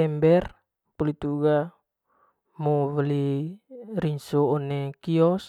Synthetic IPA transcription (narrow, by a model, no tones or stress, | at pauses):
ɛmbɛr | pulit̪uɡa | moβəli | rinsoːnekiɔs